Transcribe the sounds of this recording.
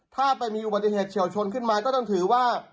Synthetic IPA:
t̪ʰaː˥˩pa˧jmiː˧ʔu˨˩baː˨˩i˨˩ɦeː˨˩t̪̚t͡ɕʰi˧˩˦wt͡ɕʰo˧nkʰɯ˥˩nmaː˧kɔː˥˩t͡ɕɔ˥˩ŋt̪ʰɯː˩˦waː˥˩

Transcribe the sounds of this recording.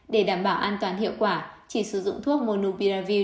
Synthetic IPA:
ɗe˧˩ɗaː˧˩mɓaː˧˩wʔaː˧nt̪waː˨˦nɦḭ˧˨əwkwaː˧˩t͡ɕi˧˩sɨ˧˩zʊ̰˧˨ŋ͡mt̪ʰu˦˥ək̚mo˧˩nu˧ɓi˧laː˧vi˧

